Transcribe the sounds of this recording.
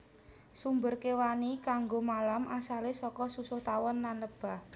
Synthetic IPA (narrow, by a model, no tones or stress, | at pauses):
sumbʊrkewanikaŋɡomalamʔasalesɔkɔsusʊht̪awɔnːanləb̥a̤h